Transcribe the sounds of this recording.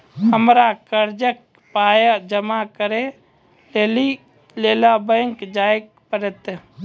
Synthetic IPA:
ɦəmɾakəɾd͡ʒək̚ | paːjad͡ʒəmakəɾẽ | leːli | leːlabəŋkd͡ʒaːɪk̚ | pəɾət̪

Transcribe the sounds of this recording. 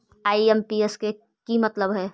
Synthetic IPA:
aːiempieske | kimɐt̪ləbɦɛː

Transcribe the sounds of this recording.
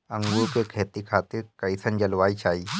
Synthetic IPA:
ɐ̃ŋɡukekʰeːt̪ikʰaːt̪ɪɾkɐisənd͡ʒɐlʋaːit͡ʃaːiː

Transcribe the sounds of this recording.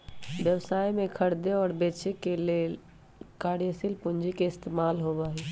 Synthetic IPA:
ʋjəwsaːimẽkʰəɽd̪eɔːɾbeːt͡ʃekeleː | kaːɽjəsilpʊnd͡ʒikeɪst̪eːmaːlɦobaːɦe

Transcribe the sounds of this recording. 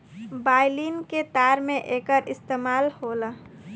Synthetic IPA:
baːɪliːnket̪aːɾmẽʔeːkəɾɪst̪eːmaːlhoːla

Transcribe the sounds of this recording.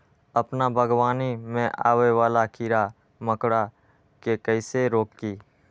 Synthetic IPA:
əpnabʱəɡwaːnimẽʔa̰ːweʋaːlakʰiːɾa | məkɽa | kekəɪseɾoːkkiː

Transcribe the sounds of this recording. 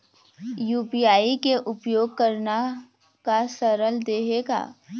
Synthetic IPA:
juːpijaːikeʔʊpjoːɡ̚kɐɾna | kasɐɾəld̪eːɦeːɡa̰ː

